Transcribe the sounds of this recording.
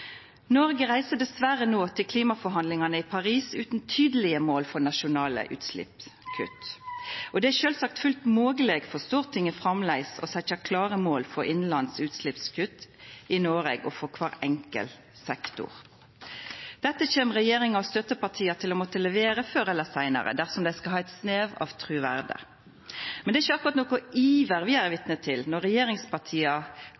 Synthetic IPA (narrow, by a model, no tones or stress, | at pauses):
nɔʁɡəʁæɪsəd̪ɛsʋæʁənoːt̪ʰɪlkʰliːmɑfɔɾɦɑnd̪lɪŋɑnəɪpʰɑʁiːsʉːt̪n̩t̪ʰyːd̪əlɪəmoːlfɔnɑʃʊnɑːlə̰ʔʉ̰ːt̪slɪ̰pkʰʉ̰t̪ː | ɔd̪ɛæʃøːlsɑk̚t̪fʉlt̪moːɡəleːɡfɔst̪uːʁt̪ʰɪŋəfʁɑmlæɪsɔ̰sɛt͡ʃːəkʰlɑːʁəmoːlfɔʁɪnlɑnsʉːt̪slɪpskʰʉt̪ɪnoːɾḛːɡɔ̰fɔːkʰʋɑːʁɛŋkə̰l | sɛkt̪ʊ̰ʁ | d̪̥ɛt̪ːəçeːmʁɛjeːɾɪŋɑʋst̪œt̪ːəpɑʁt̪ʰiːɑt̪ʰɪloːmɔt̪ːəlɛʋeːɾəføːɾɛlːəsæɪnə̰ɾə̰d̪æʁsɔmd̪æɪskɑɦɑːæɪt̪sneːʋɑ̰ʋt̪ʰʁʉːʋæʁd̪ə̰ | mɛnd̪ɛːɪçəɑkːʊʁɑt̪nɔːkʊʔiːʋəɾʋɪæɾɪʋɪt̪nət̪ʰɪlnɔʁːɛjeːɾɪŋspʰɑʁtʰiːɑ